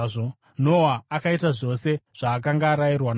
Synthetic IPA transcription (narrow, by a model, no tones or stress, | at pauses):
o | no̞waːkaitaʐo̞se̞ʐ̥aːk̬aŋɡaːɾajirwan